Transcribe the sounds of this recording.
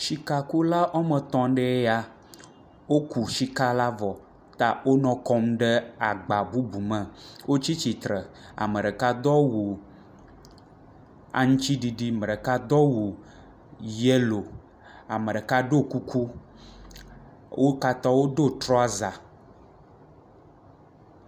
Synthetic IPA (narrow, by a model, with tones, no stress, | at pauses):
ʃi˨ka˨ku˦la˦ʔo˦mə̃˨t̪ɔ̃˦ɖe˦e˦ja˦ | wo˦ku˨ʃi˦ka˦la˦vɔ˨ | t̪a˨wo˦nɔ̃˦kɔ˦mɖe˦a˨ɡ͡ba˨bu˦bu˨mə̃˨wo˦t͡ɕi˦t͡ɕi˨t̪ɾə˨a̰˨mə˨ɖə˨ka˦d̪ɔ˦wu˨ | a̰˨ŋũ˦t͡ɕi˦ɖi˨ɖi˦mə˨ɖə˨ka˦d̪ɔ˦wu˨ | je˦lo˨ | a˨mə˨ɖə˨ka˦ɖo˦ku˦kʰu˦ | wʔo˦ka˦t̪ɔ˦wo˦ɖo˦t̪ɾɔ˦a˦za˨